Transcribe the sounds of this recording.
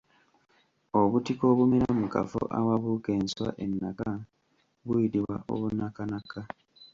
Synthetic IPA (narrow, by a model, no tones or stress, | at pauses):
oβutiko̞βumeɾamuka̰fo̰ʔa̰waβukeːnswa̰ʔenːaka | βuitiwwa̰ʔo̞̰βunakanaka